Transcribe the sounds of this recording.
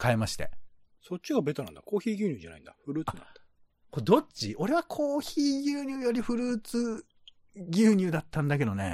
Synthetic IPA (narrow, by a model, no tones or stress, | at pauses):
kaemaɕi̥t̪e̞̰ | so̞t͡ɕːiɡabe̞t̪anã̰nd̪ako̞ːçiːɡʲɨːɲʲɨːʑa̰na̰ĩnd̪aɸɯ̟ɾɯːt͡saɨna̰na | kod̪o̞t͡ɕio̞ɾe̞β̞akʰo̞ːçiːɡʲɨːɲ̟ʲɨːjo̞ɾʲiɸɯ̟ɾɯːt͡sɨ | ɡʲɨːɲ̟ɨːd̪at̪ːãnd̪ak̬e̞d̪o̞ne̞̰